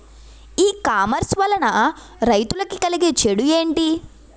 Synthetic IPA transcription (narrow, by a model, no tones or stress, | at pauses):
iːkaːmɐɾsʋɐlɐnɐ | ɾɐjt̪ulɐkikɐliɡet͡ʃeɽuje̞ːɳʈi